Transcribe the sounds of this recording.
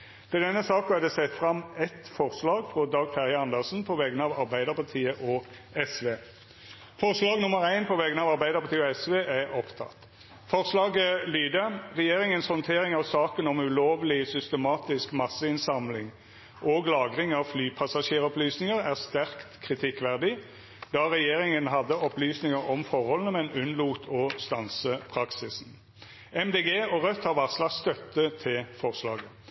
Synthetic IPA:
t̪ʰɛd̪ɛnːəsɑːkɑd̪ɛsɛt̪ːfʁɑmɛt̪fɔʁslɑːɡfʁɔd̪ɑːɡfæʁjəɑnd̪əʁsn̩pʰɔʋɛɡənəɑːʋɑʁbæɪd̪əʁpɑt̪ʰiːəʔɔ | ɛsʋeː | fɔʁslɑːɡnʊməʁæɪnpʰɔʋɛːɡənɑːʋɑʁbæɪd̪əʁpʰɑʁt̪iːəɔɛsʋeːʔæʁɔpt̪ʰɑ̰t̪ː | fɔʁslɑːɡəlyːd̪əʁɛjeːʁɪŋənshɔnt̪ʰeːʁɪŋɑʋsɑːkənɔmʉloːʋlɪsʏst̪əmɑːt̪ɪskmɑsəɪnsɑmlɪŋ | ʔoːɡlɑːɡʁɪŋɑʋflyːpʰɑsɑʃeːʁɔplyːsnɪŋəʁæʁst̪æʁkt̪kʰʁɪt̪ʰɪkʋæʁd̪ɪ | d̪ɑːʁɛjeːʁɪŋənɦɑd̪əɔplyːsnɪŋəɾɔmfɔʁhɔlnəmɛnʉnluːt̪ʰɔst̪ɑnsəpʰʁɑksɪsn̩ | ɛmd̪eːɡeːɔʁœt̪hɑʋɑʁslɑst̪œt̪ːət̪ʰɪlfɔʁslɑ̰ːɡə

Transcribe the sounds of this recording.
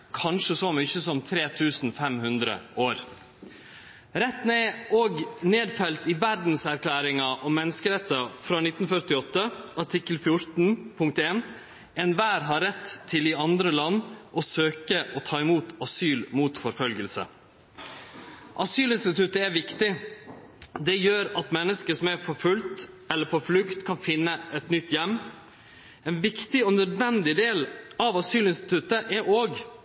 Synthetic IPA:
kʰɑnʂəsoːmʏçəsɔmt̪ʰɾeːt̪ʰʉːsnfɛmhʉnd̪ɾə̰ʔoːɾ | ɾɛt̪ːneːoːɡneːd̪fɛlt̪ɪʋæɾd̪n̩sæɾkʰlæːɾɪŋɑʔɔmɛnːəskəɾɛt̪ːɑfɾɑːnɪt̪ːn̩fœɾt̪ɪɔt̪ːəʔɑʈʰɪkːəlfjʊɾt̪n̩pʰʊŋk̚t̪eːn | ɛnʋæːɾɦɑɾɛt̪ʰːɪlɪɑnd̪ɾəlɑnːʔɔsøːkəʔɔt̪ʰɑːɪmuːt̪ɑsyːlmuːt̪fɔɾfœlɡəlsə̰ | ʔɑsyːlɪnst̪ɪt̪ʉt̪əɛʋɪkt̪ɪ | d̪ɛjøːɾɑt̪mɛnːəskəʂɔmæɾfɔɾfʉlt̪ | ɛlːəɾpʰɔflʉkt̪kʰɑnfɪnːəʔɛt̪nʏt̪ːjɛmː | ɛnʋɪkt̪ɪɔnœd̪ʋɛnd̪ɪd̪eːlɑʋɑsyːlɪnst̪ɪ̥t̪ʰʉt̪əʔɛɾʔoːɡ

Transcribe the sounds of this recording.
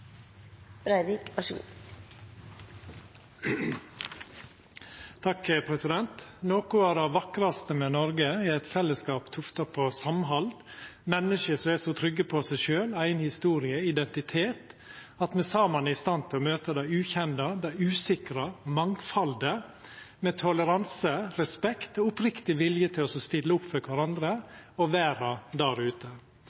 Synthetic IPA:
b̥ɾæɪd̪ɪkɑʃṵː | t̪ʰɑkəpʰɾɛsɪd̪ɛnt̪noːkʊæːɾɑʋɑkɾɑst̪əmɛnɔɾɡəɛæɪt̪fɛlːəskɑːpt̪ʰʊft̪ɑpʰosɑmɦɑld̪mɛnːəʃəsɔɛsɔt̪ʰɾʏɡːəpʰɔsæɪʃøːlæɪnhɪst̪uːɾɪəɪd̪ɛnt̪ɪt̪ʰeːt̪ | ɑt̪mɛsɑːmɑnæɪst̪ɑnt̪ʰɪlɔmøːt̪əd̪æɪʉːçɛnd̪ɑd̪æʉːsɪkɾɑmɑŋfɑld̪ə | mɛt̪ʰɔləɾɑnsəɾɛspɛkt̪ɔʊpɾɪkt̪ɪʋɪljət̪ʰɪlɔsɔst̪ɪlːəʊpːfœkʰʋæɾɑnd̪ɾəɔʋæːɾɑd̪æɾʉːt̪ʰə

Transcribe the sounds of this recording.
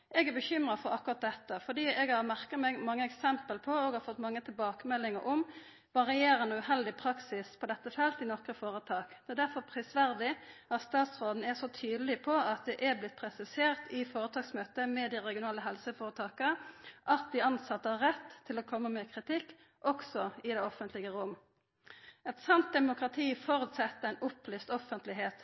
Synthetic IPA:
ɛɡæbəçʏmɾɑfɔɾɑkːʊʁɑt̪̚d̪ɛt̪ːəfɔɖ̪iːɛɡhɑɾmæʁkəmɛɡmɑŋːəɛksɛmpəlpʰɔoɡhɑɾfɔt̪ːmɑŋːət̪ʰɪlbɑːkəmɛlːɪŋə̰ɾʔʊm | ʋɑɾɪeːɾənuʉɦɛld̪ɪpʰɾɑksɪspʰɔd̪ɛt̪ːəfɛlt̪ɪnɔkɾəfoːɾət̪ʰɑːkd̪ɛɛd̪æɾfɔɾpʰɾɪsʋæɾd̪ɪɑt̪st̪ɑːt̪sʁoːd̪n̩ɛsɔt̪ʰyːd̪əlɪpʰɔɑt̪̚d̪ɛʔɛblɪt̪̚pʰɾɛsɪseːɾt̪ʰɪfoːɾət̪ʰɑːksmøːt̪əmɛd̪ɪʁɛɡɪʊnɑːləɦɛlsəfoːɾət̪ʰɑːkəʔɑt̪̚d̪ɪɑnsɑt̪ːəhɑʁɛt̪ʰːɪloːkʰɔmːəmɛkʰʁɪt̪ɪkː | ʔɔksɔɪd̪ɛɔfənt̪lɪɡəʁʊmː | ɛt̪sɑnt̪̚d̪ɛmʊkʁɑt̪ʰiːfɔɾʉt̪sɛt̪ːəʁæɪnʔʊplyːst̪ɔfənt̪lɪɦeːt̪

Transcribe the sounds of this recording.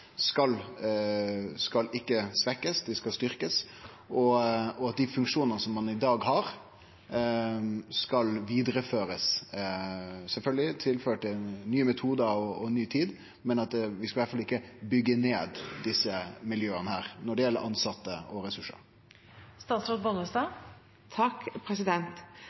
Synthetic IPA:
skɑl | skɑlɪkːəsʋɛkːəsd̪ɪskɑlst̪ʏɾkəs | ɔɔɑt̪̚d̪ɪfʉŋkʂuːnənəsɔmːɑnɪd̪ɑːɡɦɑɾ | skɑlʋiːd̪ɾəføːɾəs | sɛlfœlɡəlɪt̪ʰɪlføːʈɪnyːəmɛt̪ʰuːd̪əɔɔnyːt̪ʰiːd̪ | mɛnɑt̪ʋɪskɑʋæʈfɑlɪkːəbʏɡːəneːd̪d̪ɪsːəmɪljøːənəhæːɾnɔɖɛjɛlːə̰ɾʔɑnsɑt̪ːəɔɾɛsʉʂːə̰ɾ | st̪ɑːt̪sɾɑt̪̚bɔnəst̪ɑː | t̪ʰɑkpʰɾɛsɪd̪ɛnt̪

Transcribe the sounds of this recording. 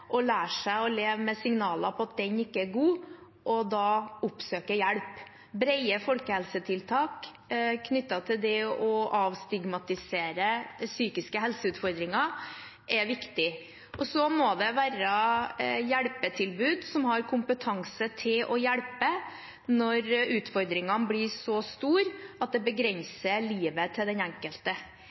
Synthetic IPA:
ʔɔlæːʂæɪɔleːʋmɛsɪŋnɑːlɑpʰɔɑt̪̚d̪ɛnɪkːəæɡuː | ʔɔd̪ɑːʊpsøːkəjæɽp | bɾɛɪəfɔlkəhɛlsət̪ʰɪlt̪ʰɑːk | kʰnʏt̪ːɑt̪ʰɪld̪ɛɔʔɑʋst̪ɪɡmɑt̪ɪseːɾəsyːkɪskəɦɛlsəʉːt̪fɔɾd̪ɾɪŋɑ | ʔɛʋɪkt̪ɪ | ʔɔsɔmɔd̪ɛʋæːɾə | jæɽpət̪ʰɪlbʉːd̪sɔmɦɑɾkʰʊmpət̪ʰɑŋsət̪ʰɪlʔɔjæɽpə | nɔɾʉːt̪fɔɾd̪ɾɪŋɑnbɽɪsɔst̪uːɾɑt̪̚d̪ɛbəɡɾɛnsəɭiːʋət̪ʰɪld̪ɛnæŋkəlt̪ə

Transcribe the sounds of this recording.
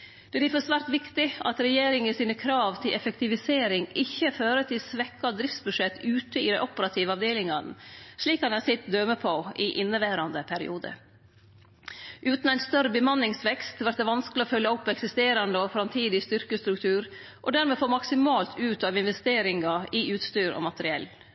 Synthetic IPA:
d̪ɛd̪ɪfɔsʋæːɾt̪ʋɪkt̪ɪʔɑ̰t̪ɾɛjeːɾɪŋəsiːnəkʰɾɑːʋt̪ʰɪlʔɛfɛkt̪ɪʋɪseːɾɪŋɪçːəføːɾət̪ʰɪlsʋɛkːɑd̪ɾɪft̪sbʉʂɛt̪ːʉːt̪əɪ̰d̪ɛʔɔpəɾɑt̪ʰiːʋəɑʋd̪eːlɪŋɑnʂɭiːkɑnɑsɪt̪d̪œməpʰoɪʔɪnːəʋæːɾɑnd̪əpʰæɾɪ̰ʔuːd̪ə̰ | ʔʉːt̪næɪnst̪œɾəbəmɑnːɪŋsʋɛkst̪ʋæɾʈ̪̚d̪ɛʋɑnskəlɪɔfœljːɑɔpːɛksɪst̪eːɾɑnd̪əɔfɾɑmt̪ʰiːd̪ɪst̪ʏɾkəst̪ɾʉkt̪ʰʉːɾ | ʔɔd̪æɾmeːfoːɾmɑksɪmɑːlt̪ʰʉːt̪ɑʋɪnʋɛst̪eːɾɪŋɑɪʉːt̪st̪yːɾɔ̰mɑt̪əɾɪɛ̰l

